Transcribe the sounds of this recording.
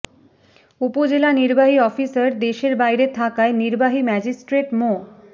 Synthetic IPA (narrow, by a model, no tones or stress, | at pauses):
upod͡ʑelaniɾbaɦiɔfisəɾd̪eʃeɾbajɾet̪ʰakaeniɾbaɦimɛd͡ʑisʈɾeʈmo